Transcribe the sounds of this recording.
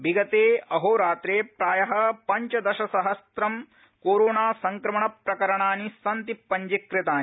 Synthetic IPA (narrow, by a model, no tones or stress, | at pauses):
biɡɐt̪eːɐɦoːɾaːt̪ɾeːpɾaːjɐɦɐ̆pɐɲt͡ʃɐd̪ɐʃɐsɐɦɐst̪ɾɐm | koːɾoːnaːsɐŋkɾɐmɐɳɐpɾɐkɐɾɐɳaːnisɐnt̪ipːɐɲd͡ʒikɾɪt̪aːni